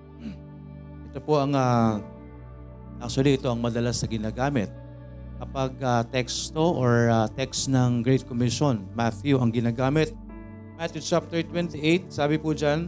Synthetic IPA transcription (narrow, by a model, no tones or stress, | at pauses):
ʔɛt̪o̞poʔɐŋa | ʔak̚t͡ʃʊɐliʔɪt̪o̞ʔɐŋmɐd̪ɐlasɐɡɪnaːɡaːmɪt̪̚ | kɐpɐɡ̚at̪ɛkst̪oʔoɹat̪ɛksnɐŋɡɹejt̪̚komɪʃonmaθjuʔɐŋɡɪnaːɡaːmɪt̪̚ | mat̪jut͡ʃap̚t̪ɛɹt̪wɛnt̪ɪʔejt̪̚saːbɪpʊd͡ʒan